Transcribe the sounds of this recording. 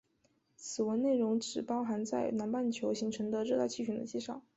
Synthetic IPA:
t͡sʰɹ̩˨˩wə˧˥nne˥˩ɪɻʊ˧˥ŋʈ͡ʂɻ̩˨˩pɑ˥ʊxa˧˥nt͡sa˥˩ɪna˧˥npa˥˩nt͡ɕʰjo˧˥ʊɕi˧˥ŋʈ͡ʂʰɤ˧˥ŋd̪ə˧ɻɤ˥˧a˥˧t͡ɕʰi˥˩ɕy˧˥nd̪ə̰˧t͡ɕi˥˩ʂɑ˥˩˦ʊ

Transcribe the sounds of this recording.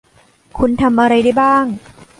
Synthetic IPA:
kʰu˧nt̪ʰa˧mʔa˧ɾa˧jda˥˩jbaː˥˩ŋ

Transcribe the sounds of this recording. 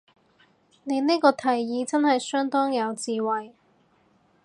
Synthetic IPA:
ne˨˧jniː˥kɔː˧t̪ʰɐ˨˩jːiː˨˧t͡sɐ˥nhɐ˨jsœː˥ŋt̪ɔː˥ŋjɐ˨˧wt͡siː˨wɐ˨j

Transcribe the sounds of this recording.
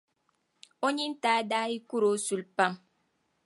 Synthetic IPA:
o˦ɲi˦n̩˦taː˨˦daː˦i˦ku˦ɾo˨˦su˨lpa˦m

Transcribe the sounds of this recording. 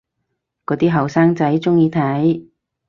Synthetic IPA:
kɔː˨˥t̪iː˥ɦɐ˨˩wsaː˥ŋt͡sɐ˨˥jt͡sʊ˥ŋjiː˧t̪ʰɐ˨˥j

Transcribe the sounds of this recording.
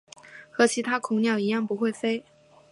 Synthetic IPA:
xɤ˧˥t͡ɕʰi˧˥t̪ʰa˥kʰʊ˨˥ŋnjɑ˥˩ʊi˧˥jɑ˥˩ŋpu˧˥xwe˥˩ɪfe˥ɪ

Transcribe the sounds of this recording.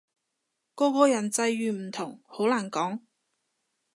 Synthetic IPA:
kɔː˧kɔː˧jɐ˨˩nt͡sɐ˧jːyː˨m̩˨˩t̪ʰʊ˨˩ŋho˨˥wlaː˨˩nkɔː˨˥ŋ

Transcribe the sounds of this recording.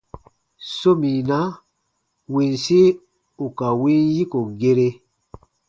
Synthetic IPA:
so˦mĩ˨na˦ | wĩ˨n˨si˦ | u˨ka˨wĩ˦nji˦ko˨ɡe˦ɾe˦

